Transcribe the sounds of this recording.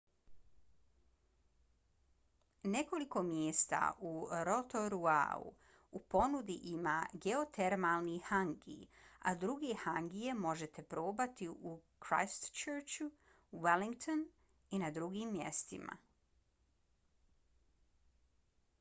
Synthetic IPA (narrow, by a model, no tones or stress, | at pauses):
ne̞ko̞liko̞mjeːst̪a̰uɾo̞t̪o̞ɾua̰ṵ | upo̞nud̪iʔimaːɡeo̞t̪ʰe̞ɾmalˠnihaŋɡḭa̰d̪ɾuɡehaŋɡije̞mo̞ʒe̞t̪e̞pɾo̞ːbat̪iʔukɾa̰jst̪t͡ʃøɾt͡ʃu | weliŋɡt̪on | inad̪ɾuɡiːmːje̞̰st̪ḭma̰